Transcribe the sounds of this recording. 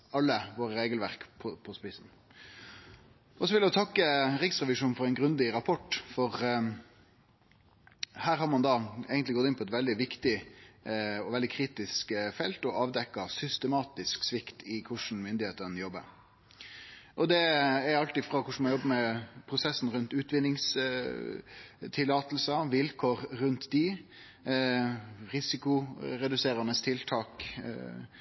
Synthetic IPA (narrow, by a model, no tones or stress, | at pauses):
ɑlːəʋoːɾəɾeːɡəlʋæɾkpʰɔpʰɔspɪsn̩ | ɔsɔʋɪljæt̪ʰɑkːəɾɪksʁɛʋɪʂuːnfɔɾɛɪnɡɾʉnd̪ɪɾɑpʰɔʈːfɔɾ | hæːɾɦɑɾmɑnd̪ɑɛːɡənt̪lɪɡɔt̪ːɪnpɔɛt̪ʋɛld̪ɪʋɪkt̪ɪ | ɔʋɛld̪ɪkʰɾiːt̪ɪskfɛlt̪ɔʔɑːʋd̪ɛkːɑsʏst̪əmɑːt̪ɪsksʋɪkt̪ʰɪkʰʊʂn̩mʏnd̪ɪheːt̪ənjɔbːə̰ɾ | ʔɔd̪ɛɛɾɑlt̪ɪfɾɑkʰʊʂɳ̩mɑnjɔbːəmɛpʰɾʊsɛsn̩ɾʉnt̪ʉːt̪ʋɪnːɪŋs | t̪ʰɪlːɑːt̪l̩səʋɪlkʰoːɾːʉnt̪d̪ɪ | ɾɪsɪkʊɾɛd̪ʉseːɾənəst̪ʰɪlt̪ʰɑːk